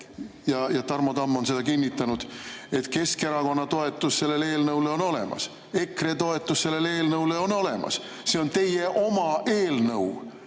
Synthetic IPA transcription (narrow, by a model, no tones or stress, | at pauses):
jɑjɑt̪ɑrmot̪ɑmːo̞nse̞d̪̥ɑkinʲːit̪ːˑɑnud̪̥e̞t̪ke̞ske̞ɾɑko̞nːɑt̪o̞e̞t̪ːˑusse̞lːe̞le̞ːlnɤwleo̞no̞le̞̰mɑ̰s | e̞kre̞t̪o̞et̪ˑːusse̞lːe̞le̞ːlnɤwleo̞no̞lemɑ̰s | se̞o̞nt̪e̞je̞ʔo̞mɑe̞ːlnɤw